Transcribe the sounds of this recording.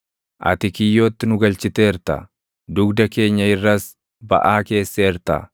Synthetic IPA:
ʔɐ̰t̪ɪkɪjːo̞ːt̪ːɪnʊɡɐlt͡ʃɪt̪eɪɾt̪ɐ̰ | d̪ʊɡd̪ɐke̞ːɲːɐɪrːɐs | bɐ̰ʔaːke̞ːsːeɪɾt̪ɐ̰

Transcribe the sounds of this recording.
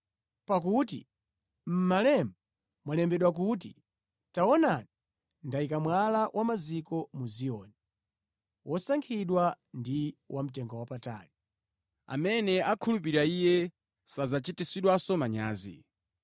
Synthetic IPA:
pakut̬ḭ | m̩malɛmba | mwalɛmbɛɗwak̬ut̬i | taɔnani | ndaikamwalawʔamazikɔmuziɔːni | wʔɔsaŋkʰiɗwa | ndiwʔam̩tɛŋɡɔwapata̰ːli | a̰mɛnɛakʰulupiɾaijɛ | sazat͡ʃitisiɗwasɔmaɲaːzḭ

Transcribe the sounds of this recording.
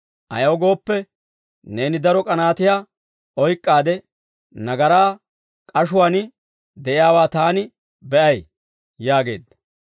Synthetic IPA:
ʔɐ̰jɐwɡo̞ːpːɛ | ne̞ːnɪd̪ɐɾɔkʼɐnaːt̪ɪjaː | ɔjkʼːaːd̪ɛ | nɐɡɐɾaː | kʼɐʃʊwaːn | d̪ɛʔɪjaːwaːt̪aːnɪ | bɛʔɐj | jaːɡe̞̰ːd̪ɐ

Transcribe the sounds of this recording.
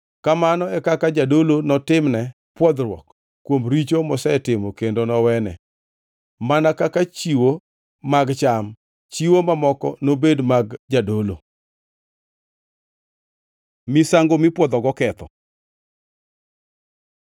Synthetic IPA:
kamanɔɛkakad͡ʒadolonɔtɪmnɛ | pwɔd̪ɾwɔ̰k | kːwomɾit͡ʃomɔsɛtɪmokendonɔwɛnɛ̰ | manakakat͡ʃiwo | maɡt͡ʃam | t͡ʃiwomamɔkɔ̰nobedmaɡd͡ʒadolo̰ | mɪsaŋɡomɪpwɔd̪ɔɡɔkɛt̪ɔ̰

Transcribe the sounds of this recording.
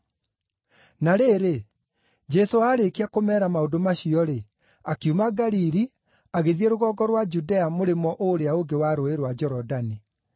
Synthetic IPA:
naɾeːɾe | d͡ʒɛsoaɾekiakomɛːɾamaodomaɕiɔɾe | akjumaɡaɾiɾi | aɣeðieɾoɣɔːɡɔɾwad͡ʒudɛamoɾemɔʔoɾeaoɡewaɾoeɾwad͡ʑɛɾɔdani

